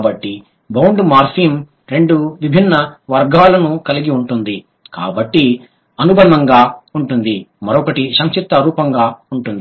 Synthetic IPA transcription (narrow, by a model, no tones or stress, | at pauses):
bɐʈːi | bɐwɳɖmaːɾsiːm | ɾe̞ɳɖuʋibʱinːɐʋɐɾɡaːlɐnukɐliɡiuɳʈund̪i | ka̰ːbɐʈːi | ɐnubɐnɐŋɡaːuɳʈund̪imɐɾɔkɐʈiʃɐŋt͡ʃit̪ːɐɾuːpɐŋɡaːuɳʈund̪i